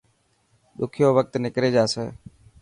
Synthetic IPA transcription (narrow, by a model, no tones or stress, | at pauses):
ɗ̪ʊkʰɪjoːʋək̚t̪nɪkɾeːd͡ʒaːseː